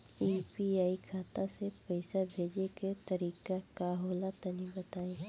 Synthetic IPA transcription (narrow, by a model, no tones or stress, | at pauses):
iːpiaːikʰaːt̪asepəɪsabʱeːd͡ʒeket̪ɐɾiːkakaɦoːlat̪ɐnĩbɐt̪aːẽ